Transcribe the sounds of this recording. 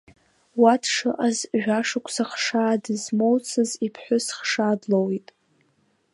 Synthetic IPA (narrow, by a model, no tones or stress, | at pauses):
watʰʂɨʔazʒᶣaʂɨkʷʰʼsaχʂaːdɨzmowt͡sʰɨzipʰħʷᶣʊsχʂadlowitʼ